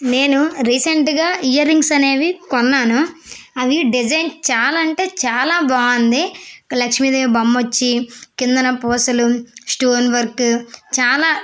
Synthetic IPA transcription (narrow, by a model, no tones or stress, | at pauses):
ne̞ːnuɾiːseɳʈɡaːijɐɾiŋɡsɐne̞ːʋikɔnːaːnuɐʋiɖid͡ʒɐjnt͡ʃaːlːɳʈe̞ːt͡ʃaːlaːbaːɐnd̪elɐkʂmid̪eːbɐmːot͡ʃːikind̪ɐnɐpoːsɐlusʈoːnʋɐɾkt͡ʃaːlaː